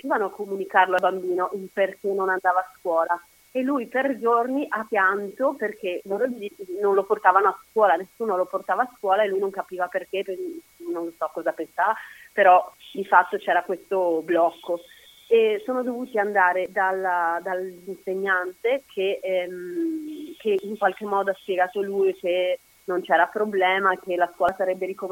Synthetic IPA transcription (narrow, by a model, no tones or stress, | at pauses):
upiːvanoakːomunikarloalbambiːnoʔeperk̟enonand̪aːvaːskwɔːla | elːujperd͡ʒorniʔapjant̪operk̟eloɾod͡ʒinonloport̪aːvanoaskwɔːlanesːuːnoloport̪aːvaːskwɔːlaelːujnõŋkapiːvaperk̟ep | nonlosɔkːɔzapensaːvapeɾɔd̪ifat̪ːot͡ʃɛːɾakwest̪oblɔkːo | esoːnod̪ovuːt̪iand̪aːɾed̪alad̪alinseɲːant̪ekʰem | kʰeiŋkwalk̟emːɔːd̪oaspjɛɡaːt̪olujk̟e | nont͡ʃɛːɾapɾoblɛːmak̟elːaskwɔlasaɾɛbːeɾikom